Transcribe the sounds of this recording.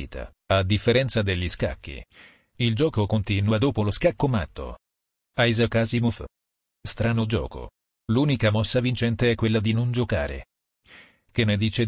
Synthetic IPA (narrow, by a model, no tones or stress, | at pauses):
t̪ʰa̰ | ad̪ːifːeɾɛnt̪sad̪eʎːiska̰kːḭ | ild͡ʒɔːkokont̪inwad̪oːpoloskakːoma̰t̪ʰːo̰ | ajzakazimof | st̪ɾaːnod͡ʒɔ̰ːko̰ | luːnikamɔsːavint͡ʃɛnt̪eɛkːwelːad̪inond͡ʒoka̰ːɾḛ | k̟enːed̪iːt͡ʃe